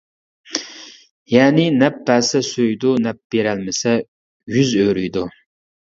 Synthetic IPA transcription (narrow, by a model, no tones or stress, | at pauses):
jɛːnɪnɛp̚bæːsɛsøjd̪unɛp̚b̥eɾælmɪsɛ | jyzøɾyjd̪u